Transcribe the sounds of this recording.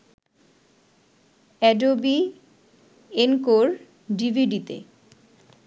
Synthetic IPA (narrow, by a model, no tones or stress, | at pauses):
ɛɖobi | enkoɾ | ɖibʱiɖit̪ḛ